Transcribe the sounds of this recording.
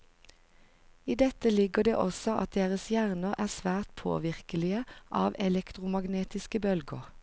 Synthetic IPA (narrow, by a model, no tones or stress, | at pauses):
iːd̪ɛt̪əlɪɡəd̪ḛːʔɔsɔʔɑ̰t̪̚d̪eːʁəsjæʁnəʁæːʁsʋæːʁt̪pʰo̰ːʋɪʁkəlɪəʔɑːʋɛlɛkt̪ʁʊmɑɡneːt̪ɪskəbœlɡəʁ